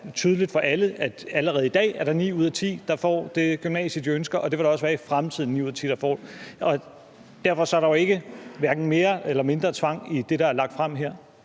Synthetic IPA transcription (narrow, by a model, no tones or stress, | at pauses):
t͡sʰyːð̞ˠlid̥fɒ̽ʔæləæd̥æləʁɛːð̞̩ˠid̥ɛ̰ːæɐɾ̥ɑ̈nḭːuð̞̰ˠɐt͡sʰḭːd̥ɑ̈fɒ̰ːd̥e̝ɡ̥ymnɛ̰ːsisd̥iønsɡ̥ɐʔɒ̽d̥e̝ʋe̝ɾ̥ɑ̈ɒ̽səʋæːɐifʁamt͡sʰið̞̰ˠn̩ḭːuð̰ˠɐt͡sʰḭːd̥ɑ̈fɒ̰ːdɒ̽ | d̥æɐ̰fɒ̽sɒ̽æɐɾɑoe̝ɡ̥əʋæɐɡ̥n̩me̝ːɐelɐme̝nd̥ʁɐt͡sʰʋɑ̈ŋ̰id̥e̝ɾ̥ɑ̈æɐlɑ̈ɡ̥̚d̥fʁam̰ɦeɐ̰